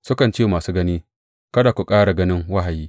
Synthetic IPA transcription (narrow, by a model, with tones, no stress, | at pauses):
sʊ˦kɐ˨nt͡ʃeː˦˨maː˨suː˦ɡɐ˦niː˦ | kɐ˦daː˨kʷu˨kʼaː˦ɽa˨ɡɐ˦nɪ˦ŋwɐ˦ɦa˨jiː˦